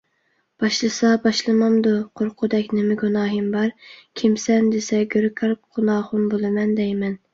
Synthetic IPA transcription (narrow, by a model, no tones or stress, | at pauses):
b̥ɑʃlˠɨsɑbɑʃlˠɨmɑmd̪uqʰoɾqʰʊd̪ɛkʲnɪmɪɡunɑːɦɨmbɑɾkʲʰimsɛnd̪esɛɡʲøɾkʰɑɾɡ̥unɑːχʊmbolˠɨmɛnd̪ɛjmɛn